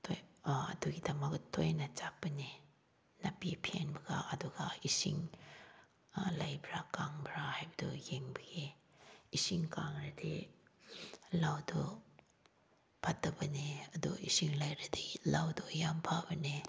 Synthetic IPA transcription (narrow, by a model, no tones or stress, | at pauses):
tʰojɐ̰duɡid̪amɐktʰojnat͡ʃap̚ːəne | napipʰenbɐɡa̰ɐduɡaisḭŋ | lajbɾakaŋbɾahajbədṵjeŋbəɡi | isiŋkaŋɾadi | lawdɔ | pʰatːɐbɐneɐduʔisiŋlajɾadilawdɔjampʰabɐne